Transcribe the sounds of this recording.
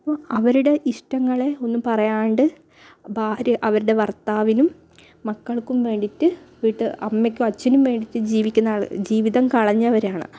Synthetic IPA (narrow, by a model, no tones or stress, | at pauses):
ɐɐpːoːɐʋɐɾuɽe̞ʔiʂʈɐŋːɐɭe̞o̞nːumpɐrɐjaːɳɖɨ | bʱaːɾjɐʔɐʋɐɾuɽe̞ʋɐrt̪aːʋinumː | ɐkːɐɭkumʋe̞ːɳɖitːɨʋiːʈːɨɐmːekʲːuɐt͡ɕːɐnumʋe̞ːɳɖitːɨd͡ʑiːʋikʲːunːaːɭd͡ʑiːʋiðɐmkɐɭɐɲːɐɐʋɐɾaːɳɨ̰